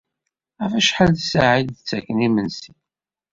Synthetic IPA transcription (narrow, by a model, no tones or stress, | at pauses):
ʁafæʃħalθsaʕid̪t͡sːækːənimənsi